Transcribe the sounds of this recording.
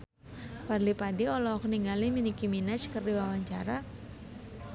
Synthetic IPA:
parlipadiɔlɔkniŋɡaliminikiminat͡ʃkərdiwawaɲt͡ʃaɾa

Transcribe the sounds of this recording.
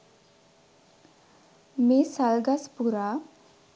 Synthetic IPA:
mesalɡaspuɾa

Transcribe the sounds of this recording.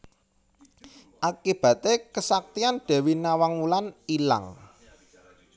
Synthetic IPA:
ʔakib̥ä̤t̪ekəsak̚t̪ianɖ̥ɛ̤winawaŋmulanila̰ŋ

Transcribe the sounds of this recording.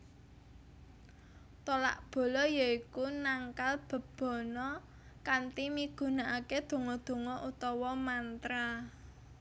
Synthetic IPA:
t̪ola̰ʔb̥o̤lɔjaikunaŋkalb̥ə̤b̥ɔ̤nɔ | kant̪imiɡ̥ṳnaʔaked̪̥o̤ŋɔd̪̥o̤ŋɔʔut̪ɔwɔmant̪ɾa

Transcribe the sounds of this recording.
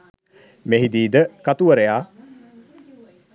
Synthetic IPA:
meɦid̪iːd̪əkat̪uʋəɾejaː

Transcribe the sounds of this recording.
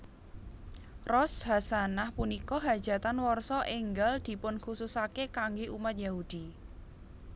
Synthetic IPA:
rɔsɦasanahpunikɔɦad̥ʒ̥ä̤t̪anwɔrsɔʔeŋɡald̪̥i̤pʊnkususakekaŋɡeʔumat̪̚jahud̪̥i

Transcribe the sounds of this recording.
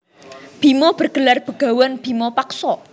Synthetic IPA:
b̥i̤mɔb̥ərɡ̥əlarb̥əɡ̥a̤wanb̥imɔpaksɔ

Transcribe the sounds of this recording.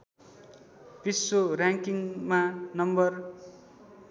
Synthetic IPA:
pisːoraŋkiŋmanʌmbʌr

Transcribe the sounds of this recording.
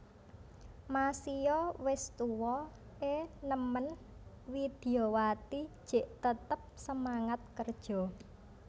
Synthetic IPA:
masijɔwɪst̪uwɔ | ʔenəmən | wid̪̥i̤owat̪i̥ʒ̥e̤ʔt̪ət̪əp̚səmaŋat̪̚kərd̥ʒ̥ɔ̤

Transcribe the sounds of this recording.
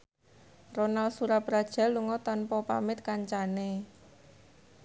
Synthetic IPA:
ronalsuɾab̥ɾad̥ʒ̥a̤lːuŋɔt̪anpɔpamɪt̪̚kaɲt͡ʃane

